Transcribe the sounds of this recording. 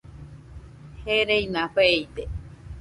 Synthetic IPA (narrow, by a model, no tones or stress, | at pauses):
heɾeinãɸeit̪e